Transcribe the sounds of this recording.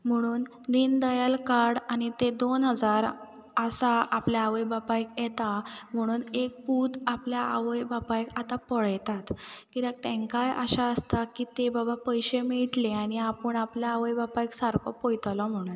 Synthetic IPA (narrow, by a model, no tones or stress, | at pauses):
m̤əɽ̃uːn | d̪iːnd̪əjalkaɾɽañit̪ed̪onɦəd͡zaɾ | əsaapljaːʋəjbapajkjɛt̪am̤əɽ̃uːnek̚put̪apljaa̰ʋəjbapajkat̪apəɭjt̪at̪kiɾak̚t̪ɛ̃ŋkajʔə̰ɕaəst̪akiːt̪ebabapəjɕemiʈleaɽ̃iapəɳapljaːʋəjbapajksaɾkʰɔ̰pojt̪lɔm̤əɽ̃a